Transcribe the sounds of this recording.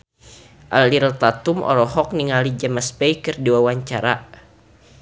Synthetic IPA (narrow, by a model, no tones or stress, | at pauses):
ʔaliɾt̪at̪umʔɔ̰ɾɔɦɔk̚niŋalid͡ʒamaspɛjkərdiwawaɲt͡ʃaɾa̰